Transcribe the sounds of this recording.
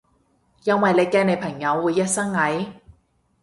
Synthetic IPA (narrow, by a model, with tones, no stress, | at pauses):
jɐ˥nwɐ˨jle˨˧jkɛː˧ne˨˧jpʰɐ˨˩ŋjɐ˨˧wːuː˨˧jːɐ˥t̚sɐ˥ŋŋɐ˨˥j